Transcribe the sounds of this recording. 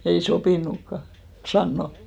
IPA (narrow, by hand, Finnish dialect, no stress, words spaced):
ei sopiˑnukːɑ sɑnːo